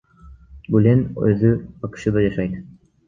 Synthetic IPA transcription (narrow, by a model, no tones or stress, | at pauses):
bulʲenø̰ðybɑqɯ̥ʃɯd̪ɑd͡ʒɑʃɑjd̪